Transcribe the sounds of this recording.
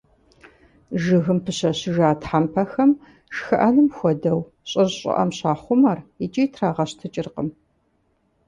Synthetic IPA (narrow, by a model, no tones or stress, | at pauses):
ʒɨɣɨmpʰɨɕɐɕɪʒaːtʰħampʰɐxɐm | ʃxɨʔɐnɨmxʷɔdɐw | ɕʼɐzɕʼɪ̰ʔɐ̰mɕaːχʷʊmɐrit͡ʃʼitʰraːʁɐɕtʰɨt͡ʃʼɪrqəm